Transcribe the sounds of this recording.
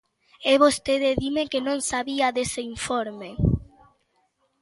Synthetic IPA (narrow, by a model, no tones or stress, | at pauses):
eβost̪eðeðimekenõŋsaβiaðeseiɱfoɾme